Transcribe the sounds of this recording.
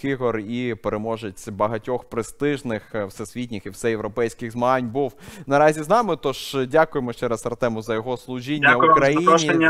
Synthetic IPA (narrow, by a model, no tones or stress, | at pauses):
iɦɔripeɾemɔʒet͡sʲbɐɦɐtʲɔxpɾɪst̪ɪʒnɪxwsɛsʲʋʲitʲnʲɪxiwsɛjeʋɾɔpɛjsʲkɪɣzmɐɦɑnʲbuwnɐɾɑzʲiznɑmɪt̪ɔʒdʲakʊjemɔʃt͡ʃɛɾɐsɐɾt̪ɛmʊzɐjɔɦɔslˠʊʒinʲːɐukɾɐjinʲi